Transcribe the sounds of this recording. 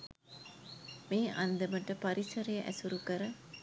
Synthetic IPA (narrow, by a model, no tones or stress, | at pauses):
meːʔɐnd̪əməʈəpaɾisɐɾejəʔæ̰suɾukəɾə